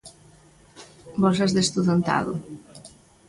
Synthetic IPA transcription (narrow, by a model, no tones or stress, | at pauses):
bɔsazðest̪uðant̪a̰ðʊ̰